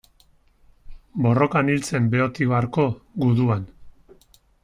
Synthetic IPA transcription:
bo̞ro̞kanilt͡se̞mbe̞o̞t̪iβaɾko̞ɡuðuan

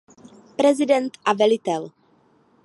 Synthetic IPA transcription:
pɾɛzɪdɛnt̪ʔavɛlɪt̪ɛl

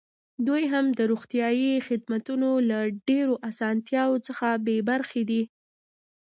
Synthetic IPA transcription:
d̪ujɦamd̪əɾoɣt̪jɑjixɪd̪mat̪unolaɖeɾoʔasɑnt̪jɑwot͡səxabebaɾxed̪i

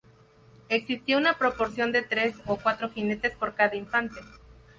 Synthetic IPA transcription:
e̞ksist̪jounapɾo̞poɾsjo̞nd̪e̞t̪ɾe̞sokwat̪ɾo̞xine̞t̪e̞spo̞ɾkaðaiɱfant̪e̞

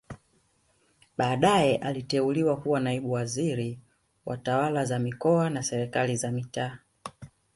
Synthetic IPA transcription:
ɓaːɗajɛʔalitɛuliwakuwanaiɓuwaziɾi | wa̰tawalazamikɔanasɛɾɛkalizamitaː

